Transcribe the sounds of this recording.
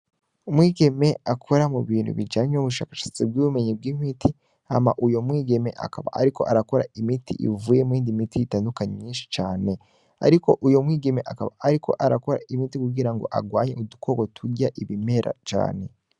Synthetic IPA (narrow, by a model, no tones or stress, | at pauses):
umwiːɡe̞me̞akʰo̞ɾamuβiːnhṵβid͡ʒaːɲeuβuʃa̰ːkḁʃḁt͡sib̚ɡuβume̞ɲib̚ɡimitʰi | amaʔujo̞mwiːɡe̞me̞̰ʔa̰kaβa̰a̰ɾiko̞ʔaɾako̞ɾaimitʰḭʔḭvuːjemiːndimitijitandukaɲimɲiːnʃi̥t͡ʃaːne̞ | a̰ɾiko̞ʔujomwiːɡe̞me̞ʔakaβa̰ːɾikʰo̞̰ʔaɾako̞ɾa̰imitikuɡiɾaŋɡo̞̰ʔa̰ɡwaːɲeudukʰo̞ːɡo̞tʰuɟaʔiβime̞ɾʔa̰t͡ʃa̰ːne̞